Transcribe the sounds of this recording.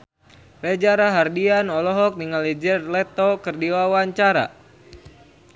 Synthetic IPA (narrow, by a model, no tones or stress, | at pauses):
ɾɛd͡ʒaɾaɦardianɔlɔɦɔk̚niŋalid͡ʒɛrlɛt̪ɔkərdiwawaɲt͡ʃaɾa̰